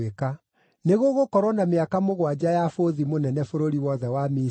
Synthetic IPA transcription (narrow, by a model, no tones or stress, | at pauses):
eka | neɣoɣokɔɾwɔnameakamoɣwad͡ʑajafoðimonɛnɛfoɾoɾiwɔðɛwami